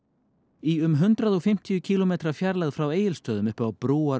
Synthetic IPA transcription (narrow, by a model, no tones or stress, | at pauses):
iʏmɦʏnt̪ɾaðɔɣfɪm̥t̪ʰijʏcʰiːlɔmeːt̪ɾafjaɾlaɣðfɾaweːjɪlst̪œːðʏmʏhpawpɾuːa